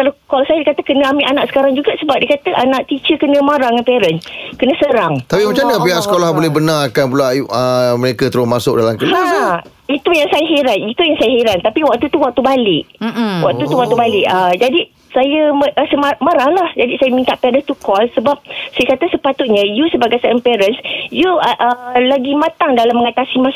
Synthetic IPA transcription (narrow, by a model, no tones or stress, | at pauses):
kalakɔlsajadikat̪əkənə̃amiʔanãʔsə̥kaɾaŋd͡ʒuɡasəbap̚dikat̪əʔanaʔt̪it͡ʃəkənə̃maɾaŋanpɛɾənkənə̃səɾaŋt̪apimət͡ʃanəpiaʔsə̥kolahbolɛhbənaɾakanpulaəməɾekat̪əɾʊsmasʊk̚dalamk̪əaa | it̪ujaŋsajaɦeɾanit̪ujaŋsajaɦeɾant̪apiwaʔ̚t̪ut̪uwak̚t̪ubalɪʔwʔa̰k̚t̪ut̪uwak̚t̪ubalɪʔəd͡ʒadi | sajəʔsəmamaɾahlahd͡ʒadisajəmint̪aʔpɛɾənst̪ukɔlsəbap̚sajəkat̪asəpat̪ʊt̪̚ɲə̃jusəbaɡajsaənpɛɾənsjuʔəlaɡimãt̪aŋdalamːəŋat̪asimã